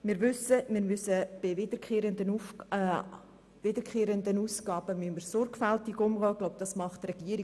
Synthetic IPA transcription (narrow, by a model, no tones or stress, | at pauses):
mɪːɾvʏsəmɪːɾmʏsəb̥ɪvɪd̥əɾkeːɾəndənu | vɪdəɾkχeːɾəndənuːsɡɑːbəmyməɾsɔɾɡfæltɪɡʊmʁɔːɡ̥loʊb̚d̥ɑsmɑχtrɛɡ̥iəɾɪ